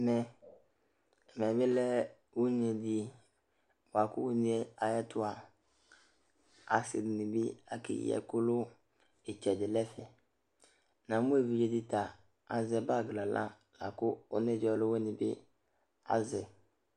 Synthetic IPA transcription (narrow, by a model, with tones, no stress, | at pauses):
mɛ˨ | mɛ˨bɪ˦lɛ˦ | wu˦ɲ˦e˨dɪ˨ | wa˨kʊ˦wu˦ni˨˦ɛ˦a˨jɛ˦tʊ˦a˨ | a˨sɪ˨dɪ˨nɪ˨bɪ˦a̰˨kɪ̰˨j̰ɛ̰˨kʊ˦lʊ˦ | e˨t͡ʃɛ˨dɪ˨lɛ˦fɛ˨ | nã˨mʊ̃˦e˨vi˨˦d͡ʒe˦dɪ˦ta˨ | a˨zɛ˨ba˦˨ɡla˨lʔã̰˦ | la̰˨kʊ˦ʊ˦nɛ˦˨d͡ʒɔ˨lʊ˦wɛ˦nɪ˨bɪ̰˦ | a̰˦zɛ˨